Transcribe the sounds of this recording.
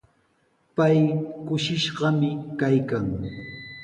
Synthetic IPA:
pajkʊʃɪʃɢɑmɪkajkaŋ

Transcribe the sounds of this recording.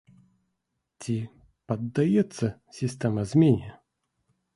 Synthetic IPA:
tʲi | pɐd̪ːɐjɛt̪sːəsʲɪsʲt̪ʲɛməzmʲenʲɪjə

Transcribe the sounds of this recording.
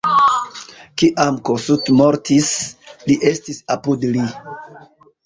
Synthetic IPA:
kiʔamkosutmoɾtisliʔe̞stisapudli

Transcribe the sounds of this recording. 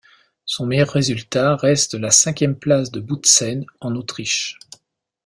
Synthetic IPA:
sɔ̃mejœʁːezylt̪aʁɛst̪lasɛ̃kʲjɛmplasd̪əbud̪sɛnɑ̃not̪χiʃ

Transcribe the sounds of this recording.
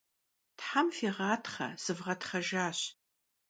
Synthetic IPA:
tħamfeːʁaːtʰχɐ̰z̥ɨvʁɐtχɐʒaːɕ

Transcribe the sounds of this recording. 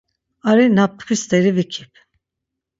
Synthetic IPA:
aɾinap̚ːkʰist̪eɾivikʰi̥p

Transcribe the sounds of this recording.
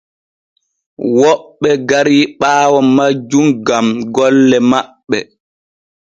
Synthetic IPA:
wɔɓːɛɡaɾiːɓaːwɔmad͡ʒumɡamɡɔlːɛmaɓːɛ

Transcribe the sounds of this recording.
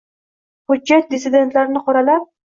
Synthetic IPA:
hʊd͡ʒːat̪̚d̪ɪsɪd̪e̞nt̪laɾɪnɪqʰɒɾalap̚

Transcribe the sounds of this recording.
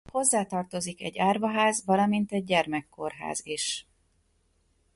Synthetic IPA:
ho̞zːaːt̪ɒrt̪o̞zikɛ̰ɟːaːrvɒɦaːzʋɒlɒmint̪ɛɟ̚ːɛrmɛkːo̞rɦa̰ːziʃ

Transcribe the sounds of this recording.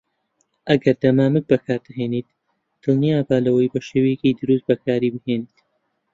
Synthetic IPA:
ʔɐɡɐɾd̪ɐmaːmɨk̚bɐkʰaːɾd̪ɐɦeːniːt̪ | d̪̥ɨlˠnijaːbaːlɐwɐjbɐʃeːwejɛciːd̪ɨɾust̪̚bɐkʰaːɾibɨheːniːt̪

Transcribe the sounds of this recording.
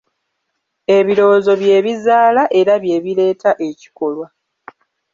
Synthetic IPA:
e̞βiɾo̞ːzo̞βje̞ːβizaːlaʔeɾaβje̞ːβile̞ːtaʔe̞ci̥ko̞lwa

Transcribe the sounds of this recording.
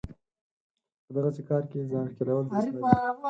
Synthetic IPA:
pəd̪aɣasekɑɾkezɑnkelawəlzaa

